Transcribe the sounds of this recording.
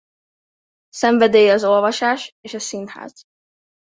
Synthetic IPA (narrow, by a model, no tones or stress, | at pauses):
sɛɱvɛd̪eːjɛɒzo̞lvɒʃaːʃeːʃɒsinhɛ̰z̥